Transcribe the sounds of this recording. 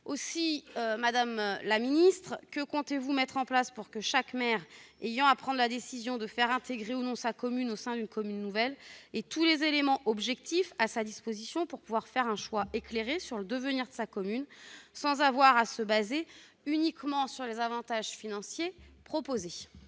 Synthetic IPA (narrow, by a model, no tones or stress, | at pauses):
osiømad̪amlaminist̪χkəkɔ̃t̪evumɛt̪χɑ̃plaspuʁkəʃakmɛʁejɑ̃apχɑ̃d̪lad̪esizjɔ̃d̪əfɛʁɛ̃t̪eɡʁeunɔ̃sakɔmynosɛ̃d̪ynkɔmynːuvɛlet̪ulezelemɑ̃ʔɔbʒɛkt̪ifasad̪ispozisjɔ̃puʁpuvwaʁfɛʁɛ̃ʃwaekleʁesyʁləd̪əvəniʁd̪əsakɔmynsɑ̃zavwaʁasəbaze | ynikmɑ̃syʁlezavɑ̃t̪aʒfinɑ̃sjepχɔpoze